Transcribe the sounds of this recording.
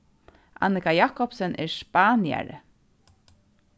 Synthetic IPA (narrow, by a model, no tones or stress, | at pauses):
ʔa̰nɪkajaːkɔpsɛnʔɛ̰ɹspaːnja̰ɹ̰